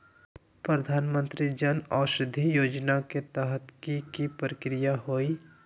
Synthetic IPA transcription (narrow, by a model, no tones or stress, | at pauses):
pɾəd̪ʱaːnmə̃nt̪ɾid͡ʒənaːʃɾɪd̪ʱːijoːd͡ʒnaket̪ɛɦət̪kipkipɾəkɾijaɦoːi